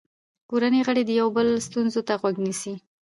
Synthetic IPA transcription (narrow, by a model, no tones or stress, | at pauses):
koɾaneɣəɽed̪əjawbəlst̪unzot̪aɣwaɡnisi